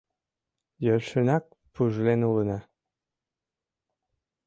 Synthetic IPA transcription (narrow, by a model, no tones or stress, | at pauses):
jølʲʃə̆nɑk̚ | puʒlenulə̆nɑ